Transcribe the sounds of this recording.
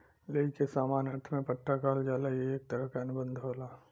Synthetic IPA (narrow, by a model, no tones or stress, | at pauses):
leːkesaːmaːnəɾt̪ʰmẽpəʈːakaːld͡ʒaːlajeeːk̚t̪əɾəɦkaɐnʊbə̃nd̪ʱɦoːlaː